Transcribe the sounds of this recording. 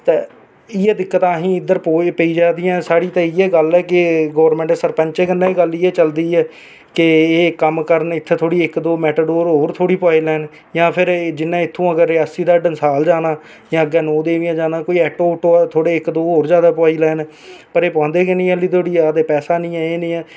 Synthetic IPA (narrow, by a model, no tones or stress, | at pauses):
t̪eː | ɪɛːd̪ɪkːət̪ãːɦĩːɪd̪əɾpopəiːd͡ʒaːd̪ijãːsaːɽiːt̪ẽːɪːɛːɡəlɛːk̬ɪɡoːʋəɾmɛ̃ːɳʈːsəɾpəɲt͡ʃeːɡənːãːiɡəliːɛːt͡ʃəld̪iːɛː | kɪeːkəmkəɾənɪt̪ʰːet̪ʰoːɽiːɪkd̪oːmɛːʈəɖoːɾɦoːɾt̪ʰoːɽiːpaːiːlɛːn | jãːpʰɪɾd͡ʒɪnːãːɪt̪ʰːũːəɡəɾːɪaːsiːd̪aːɖənsaːld͡ʒaːnaː | jãːəɡɛːnoːd̪eːʋijãːd͡ʒaːnãːkoːiːɛːʈoːʈoːt̪ʰoːɽeːɪkd̪oːɦoːɾd͡ʒjaːd̪aːpaːiːlɛːn | pəɾeːpãːnd̪eːkenĩːɛlːiːt̪ʰoːɽiːaːd̪eːpɛːsaːnĩːɛːeːnĩːɛː